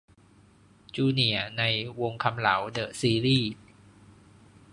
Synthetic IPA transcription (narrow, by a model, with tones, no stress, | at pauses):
t͡ɕuː˧ni˨˩ɐna˧jwo˧ŋkʰa˧mla̰˩˦wdɤː˨˩t̚siː˧liː˥˩